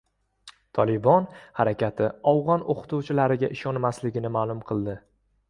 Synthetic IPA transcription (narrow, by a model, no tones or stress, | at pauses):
t̪ʰɒlˠɪbɒnhaɾakʲʰat̪ʰɪɒwʁɒnʔoqʰɨ̥t̪ʰuwt͡ʃʰɪlaɾɪɡʲaʔɪʃɒnmaslɪɡʲɪnɪmaːlˠʊmqʰɨlˠd̪ɪ